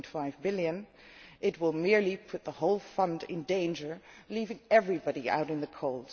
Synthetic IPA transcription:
ntfaɪvbɪlˠjɨ̃n | ʔɨt̚wɪlˠmɪɹlipʰʊt̪̚ðəhoʊlˠfʌ̃ndɪ̰̃ndẽɪ̃nd͡ʒə˞livɪ̃ŋɛvɹibɑɾia̰ʊɾɨ̃nðɨkʰoʊlˠd̥

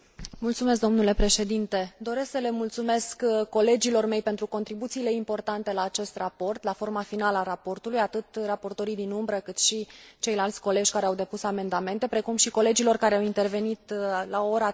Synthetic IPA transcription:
mult̪sume̞s̬d̪omnule̞pɾe̞ʃe̞d̪int̪e̞d̪o̞ɾe̞sksəle̞mult̪sume̞skkːo̞le̞d͡ʒilo̞rme̞jpe̞nt̪ɾuko̞nt̪ɾibut̪siːle̞impo̞rt̪ant̪e̞laːt͡ʃe̞st̪rapo̞rt̪lafo̞rmafinaləaɾapo̞rt̪ulujat̪ɨt̪rapo̞rt̪o̞ɾijd̪inumbɾəkɨt̪ʃit͡ʃe̞jlalt̪sʲko̞le̞d͡ʒʲkaɾe̞awd̪e̞pusame̞nd̪ame̞nt̪e̞pɾe̞kumʃiko̞le̞d͡ʒilo̞rkaɾeawint̪e̞rve̞nit̪laooɾa

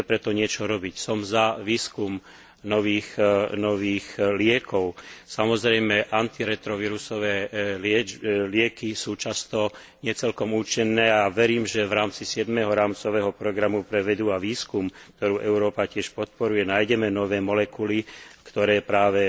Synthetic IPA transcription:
ɛpɾɛt̪ɔɲɪɛt͡ʃɔɾɔbicsɔmzaʋiːskum | nɔʋiːxnɔʋiːxlɪɛkɔʊsamɔzɾɛjmɛʔant̪iɾɛt̪ɾɔʋiɾusɔʋɛːlɪɛlɪɛkisuːt͡ʃast̪ɔ | ɲɪɛt͡sɛlkɔmuːt͡ʃinːɛːaʋɛɾiːmʒɛʋɾaːmt͡sisɪɛd̪mɛɦɔɾaːmt͡sɔʋɛːɦɔpɾɔɡɾamupɾɛʋɛd̪uaʋiːskumkt̪ɔɾuːʔɛʊɾɔːpacɪɛʃpɔt̪̚pɔɾujɛnaːjɟɛmɛnɔʋɛːmɔlɛkulikt̪ɔɾɛːpɾaːʋɛ

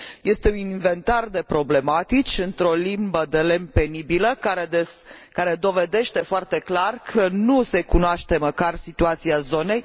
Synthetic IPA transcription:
je̞st̪e̞uniɱve̞nt̪ard̪e̞pɾo̞ble̞mat̪it͡ʃʲɨnt̪ɾo̞limbəd̪e̞le̞mpe̞nibiləkaɾed̪e | kaɾe̞d̪o̞ve̞d̪e̞ʃt̪e̞foart̪e̞klarkʰənuse̞kunoaʃt̪e̞məkarsit̪uat̪siazo̞ne̞j

